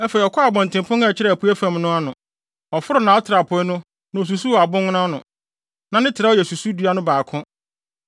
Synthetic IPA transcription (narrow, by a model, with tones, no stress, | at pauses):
ɛ˦fe˨i˨ɔ˨kʰɔ˦a˨bɔ̃˨ntʰɪ̃˨m˨pʰʊ̃˦nɛ˦˨t͡ɕʰɪ˦ɾɛ˨æ˨pu˦æ˦fã˨mnʊ̃˦a˦nʊ̃˨ | ɔ˨fʊ˦ɾʊ˦nã˨˦ɔ˦tʰɾa˨pʰʊ˨˦ɛ˦nʊ̃˦ | nã˨o˨s̬u˨su˦˨a˨bʊ̃˦ŋ˦nã˦nʊ̃˨ | nã˨nɪ̃˦tʰɪ˨ɾa˦ɔ˦jɛ˨su˨su˦du˨˦a˦nʊ̃˦baː˨kʰʊ̃˦